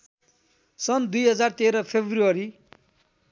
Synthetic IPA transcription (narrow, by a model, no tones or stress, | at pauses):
sʌnd̪ujɦʌd͡zart̪eɾʌpʰebʱruʌɾi